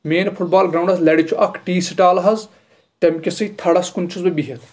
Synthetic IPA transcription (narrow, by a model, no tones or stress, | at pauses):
meːnpʰuʈ̚baːlɡɾɐwɳɖɐzlɐɽit͡ʃʰuʔɐkʰʈiːsiʈaːlɐɦɐz | t̪ɐmkʲɐsɐit̪ʰɐɽɐskunt͡ʃʰuzbɐbiɦet̪ʰ